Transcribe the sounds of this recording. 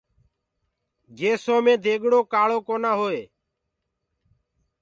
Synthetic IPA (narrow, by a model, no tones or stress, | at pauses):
ɡeːsõːmẽːd̪ʱeːɠɽoːkaːɭoːkoːnaːɦoːeː